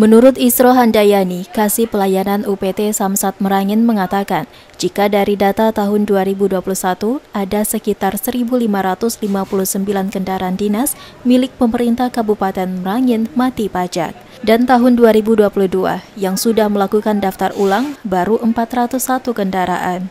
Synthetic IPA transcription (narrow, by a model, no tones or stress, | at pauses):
mənuɾʊt̪isɾoɦandajanikasipəlajananupet̪esamsat̪̚məɾaŋɪnməŋat̪akan | d͡ʒikadaɾidat̪at̪aɦʊnduaɾibuduapuluhsat̪uadasəkit̪arsəɾibulimaɾat̪ʊslimapuluhsəmbilankəndaɾaandinas | milɪk̚pəməɾint̪ahkabupat̪ɛnməɾaŋɪnmat̪ipad͡ʒa̰k̚ | dant̪aɦʊnduaɾibuduapuluhdua̰jaŋsudahməlakukandaft̪arulaŋbaɾuʔəmpat̪rat̪ʊsat̪ukəndaɾa̰ʔan